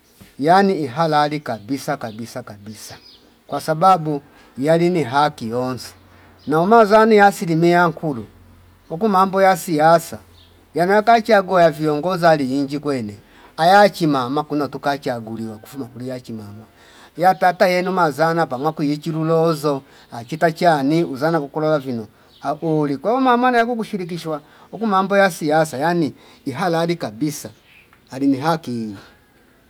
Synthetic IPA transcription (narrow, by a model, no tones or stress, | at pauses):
janiːɦalalikabisakabisakabisḁ | kwasababu | jaliniɦakijɔnsɛ̥ | naumazanijasilimiaŋ̩kulu | ɔkumambɔjasijasa | janujakat͡ʃaɡuajaviɔŋɡɔzaliːɲd͡ʒikwɛnɛ | ajat͡ʃimamakunatukat͡ʃaɡuliwaku̥fumakulijat͡ʃimama | jatatajɛnumazanapamwakujit͡ʃiɾulɔzɔ | at͡ʃitat͡ʃaniuzanakukɔlɔlavinɔ | aʔulikwaɔmamanajakuk̬uʃiɾik̬iʃwa | ɔkumambɔjasijasajaniː | ɦalaːlikabisaː | liniɦakii